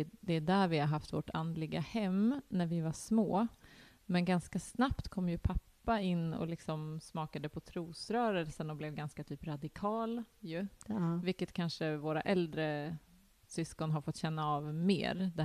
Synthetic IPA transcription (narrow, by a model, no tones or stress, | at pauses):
d̪ɛːɖæɾvɪhaɾɦaft̪vɔʈa̰nd̪lɪɡahɛmːnæɾvɪvaʂmoː | mɛnɡanskasnapt̪kʰɔmːjɵpʰapːaɪnːɔ̰lɪksɔmsmɑːkad̪əpʰɔt̪ʰɾuːsɾœːɾəlsənɔblɛvɡanskat̪ʰyːpɾad̪ɪkʰɑːljɵvɪlkːət̪kʰanʂəvoːɾa̰ʔɛld̪ɾə | sʏskɔnɦaɾfɔt̪ːɕɛnːaɑːvmḛːɾd̪ɛ